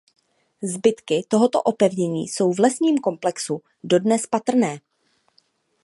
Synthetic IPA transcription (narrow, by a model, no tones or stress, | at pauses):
zbɪt̪kɪt̪o̞ɦo̞t̪o̞̰ʔo̞pɛvɲɛɲḭːso̞wvlɛsɲiːmko̞mplɛksu | do̞dnɛspat̪r̩nɛː